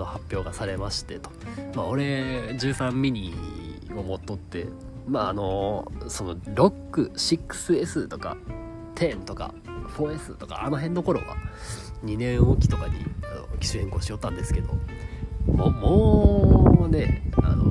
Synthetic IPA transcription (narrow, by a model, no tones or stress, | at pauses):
no̞hapʲːjo̞ːɡasaɾe̞maɕi̥t̪e̞t̪o̥mao̞ɾe̞d͡ʑɨːsãmːʲiɲ̟ʲi | omo̞t̪ːo̞t̪ːe̞̰ | maːno̞so̞no̞ɾo̞kːɯ̟ɕikːɯ̥sɨe̞sɨt̪o̞ka̰ | t̪ʰẽ̞nt̪o̞ka̰ | ɸo̞ːe̞sɨt̪o̞ka̰ano̞ɦẽ̞nːo̞ko̞ɾo̞̰ɡa̰ | ɲ̟inẽ̞ɰ̃oːkʲi̥t̪o̞kaɲḭa̰no̞kʲi̥ɕihẽ̞ŋko̞ːɕijo̞t̪ːãnd̪e̞sɨ̥ke̞d̪o̞̰ | moːmoː | ne̞a̰no̞̰